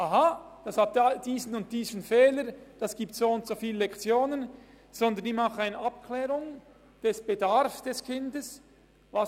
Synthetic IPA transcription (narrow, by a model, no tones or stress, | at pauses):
ʔaɦad̥ɑshat̚dad̥iːzən̩ʊnt̚d̥iːzən̩fɛːləɾd̥ɑsɡ̥iːp̚tsoːʊntsofiːlɛlɛkt͡sjoːnən | z̥ɔndəɾnɪmaχəaɪnəʔap̚kʰlɛːʁʊŋ | d̥ɛsb̥edaɾfsd̥ɛskʰɪndəs | vas